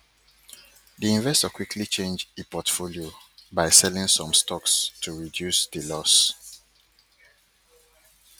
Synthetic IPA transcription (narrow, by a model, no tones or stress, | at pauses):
diĩɱvɛstɔkwikʰlit͡ʃẽnd͡ʒepɔtfoliobaɪsɛlĩŋsɔ̃mstʰɔkstʰuɹidjusdəlɔs